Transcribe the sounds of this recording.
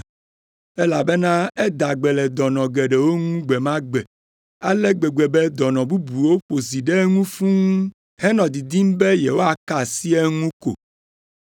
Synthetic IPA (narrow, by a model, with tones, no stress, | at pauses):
ɛ˦la˨bɛ˦nã˦ɛ˦d̪a˨ɡ͡bɛ˨lɛ˨d̪ɔ˨nɔ̃˨ɡɛ˨ɖɛ˨wo˦ŋũ˦ɡ͡bɛ˨mã˦ɡ͡bɛ˨ | a˦lɛ˦ɡ͡bɛ˨ɡ͡bɛ˨bɛ˦d̪ɔ˨nɔ̃˨bu˦bu˨wo˦ɸo˨zi˨ɖɛ˦ŋũ˦fũ˦ŋũ˦ | hɛ˦nɔ̃˨d̪i˨d̪i˦m˦be˦jɛ˨wo˦a˨ka˨si˦ɛ˦ŋũ˦ko̰˨